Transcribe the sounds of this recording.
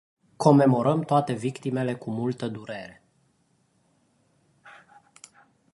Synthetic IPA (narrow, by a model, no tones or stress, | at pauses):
kʰo̞me̞mo̞ɾəmt̪oat̪e̞vikt̪ime̞le̞kumult̪əd̪uɾe̞ɾe̞